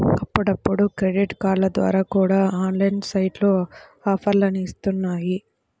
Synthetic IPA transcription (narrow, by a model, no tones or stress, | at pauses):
ɐpːuɽɐpːuɽukɾeɖiʈkaːɾlɐd̪ʋa̰ːɾaːkuːɽaːaːnlɐjnsɐjʈloːaːpʰɐɾlɐnist̪unːaːji